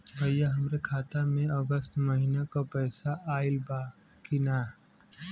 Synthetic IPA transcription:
bəjaɦəmɾekʰaːt̪amẽəɡəst̪məɦinakapɛːsaʔaːɪlba | kinaː

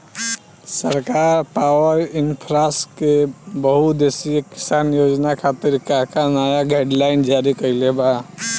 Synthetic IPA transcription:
səɾkaɾɾpawəɾɪnpʰɾaskebəɦut̪d̪esieki̥sanjod͡ʒnakʰat̪iɾkakanajaɡaɪɖlaɪnd͡ʒaɾikəɪleba

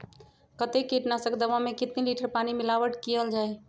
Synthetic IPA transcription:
kət̪ekːiʈnasəkd̪əʋamẽkɪt̪neliʈəɾpanimilaʋəʈkijəld͡ʒaːj

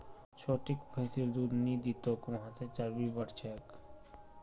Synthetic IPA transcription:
t͡ʃʰoːʈɪkpʰəsiɾd̪uːd̪nid̪it̪okʋɐɦãset͡ʃaɾbibəɽt͡ʃʰɛk

